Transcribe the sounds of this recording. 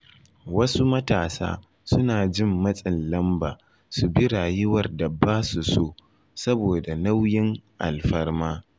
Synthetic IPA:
wɐ˦su˦mɐ˦taː˨sa̰ː˦ | sʊ˦naː˨d͡ʒɪ˦mːɐ˦sʼɪ˨nlɐ˦mba̰ː˨ | su˨bɪ˦ɽaː˨jɪ˦wɐ˨rda˨baː˦su˨soː˦ | sɐ˦boː˨da˨na˦wjɪ˦ŋʔa̰˨lɸɐ˦rmaː˦

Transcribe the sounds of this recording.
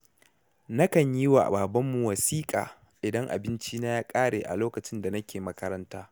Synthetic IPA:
nɐ˦kɐ˨ɲji˦wa̰ː˨ʔbaː˨bɐ˦mːu˨wɐ˨siː˦kʼa̰ː˨ | ʔɪ˨dɐ˦ŋʔa̰˨bɪ˦nt͡ʃi˦na˦jaː˦kʼaː˦ɽeː˨ʔa̰˨loː˦kɐ˨t͡ʃɪ˦nda˨nɐ˦kʲeː˨mɐ˦kɐ˦ɾɐ˦ntaː˦

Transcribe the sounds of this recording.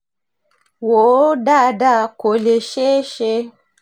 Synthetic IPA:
wo˨˦da˦˨da˦˨ko˨le˨ʃe˦ʃe˦

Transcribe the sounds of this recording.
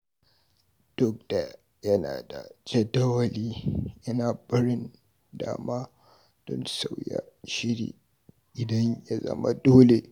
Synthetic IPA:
d̥ʊ˦k̚d̥a˨ | jɐ˦na̰ː˨da̰˨d͡ʒɐ˦dɐ˦wɐ˨liː˦jɐ˦naː˨bɐ˦ɽɪ˦n | daː˨maː˦ | d̥ɔ˦nsa˨wja̰˦ʃɪ˦ɽḭː˨ | ʔɪ˨dɐ˦ɲja˦zɐ̰˦ma̰˦doː˦le˨

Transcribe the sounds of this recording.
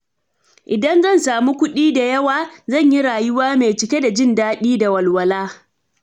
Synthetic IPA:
ʔɪ˨dɐ˦nzɐ˦˨nsaː˨mu˦kʷʊ˦ɗiː˦da˨jɐ˦waː˨zɐ˦˨ɲji˦ɽaː˨jʊ˦waː˦meː˨t͡ʃɪ˦kʲe˦da˨d͡ʒɪ˦ndaː˦ɗiː˦da˨wɐ˨lwɐ˨laː˦

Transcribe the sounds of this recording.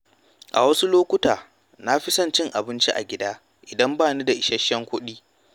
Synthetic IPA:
ʔa̰˨wɐ˦su˦loː˦kʷʊ˦taː˨ | na˦ɸi˦sɐ˦nt͡ʃɪ˦ŋʔa˨bɪ˦nt͡ʃi˦ʔa̰˨ɡʲɪ˦daː˦ | ʔɪ˨dɐ˦mbaː˦˨niː˦da˨ʔɪ˨ʃɐ˦ʃːɐ˦ŋkʷʊ˦ɗiː˦

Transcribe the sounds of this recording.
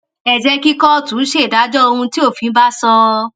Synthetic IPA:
ɛ˨d͡ʒɛ˧ki˦kɔ˦tũ˨˦ʃe˦˨da˨˦d͡ʒɔ˦o˧hũ˧ti˦o˦˨fĩ˧˦ba˦sɔ˧

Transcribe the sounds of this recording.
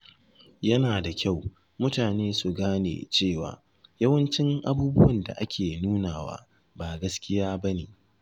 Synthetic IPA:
jɐ˦naː˨da˨kʲa˦˨w | mʊ˦taː˨neː˦su˨ɡaː˦nḛː˨t͡ʃeː˦˨wa̰ː˨ | jɐ˦wɐ˦nt͡ʃɪ˦ŋʔa̰˦buː˦bʊ˦wɐ˨nda̰˨ʔa˦kʲʰeː˨nuː˦naː˨wa̰ː˦ | ba˨ɡɐ˦skʲɪ˦jaː˦bɐ˦neː˨

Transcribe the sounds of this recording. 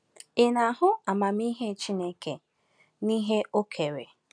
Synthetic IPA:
ɪ˨na˨ɦʊ˦a˨ma˨mi˦ɦe˦˨t͡ʃi˦ne˦ke˨ | niː˦ɦe˦o˦kʰe˨ɾe˨

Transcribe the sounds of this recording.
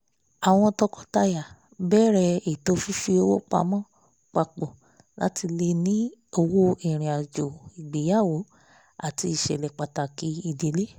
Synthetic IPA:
a˨w̃ɔ̃˧tɔ˧kɔ˧ta˧ja˨ | bɛ˦ɾɛ˧e˨to˨˦fi˦fi˧˦o˧wo˦k͡pa̰˧mɔ̃˦ | k͡pa˧k͡po˨ | la̰˦ti˧le˧nĩ˦o˧wo˦i˨ɾ̃ĩ˨a˨d͡ʒo˨i˨ɡ͡be˨˦ja˦˨wo˨˦ | a˦˨ti˧i˨ʃɛ̰˨lɛ˨k͡pa˨ta˨ki˨˦i˧˨de˨˦le˦

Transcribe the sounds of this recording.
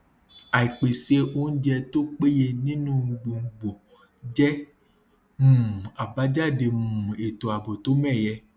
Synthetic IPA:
a˨i˨k͡pe˨se˦o˦n̩˦d͡ʒɛ˦t̪o˦k͡pe˦je˧nĩ˦nũ˦wu˨ɡ͡bo˨ŋ̩˨ɡ͡bo˨ | d͡ʒɛ˦ | mũ˨a˨ba˦d͡ʒa˦ɖe˨m̃ũ˨e˨t̪o˨a˨bo˨t̪o˦mɛ̃˦˨jɛ˨˦

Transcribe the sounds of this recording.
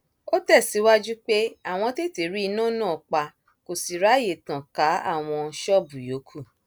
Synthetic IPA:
o˦tɛ˦˨si˨˦wa˦d͡ʒu˦k͡pe˦a˦˨w̃ɔ̃˧te˦˨te˨ɾi˦i˧nã˦˨nãː˦˨k͡pa˧ | ko˨si˨ɾa˨˦je˨tã˨ka˨˦a̰˦˨w̃ɔ̃˧ʃɔ˦˨bu˨jo˨˦kʰu˦˨

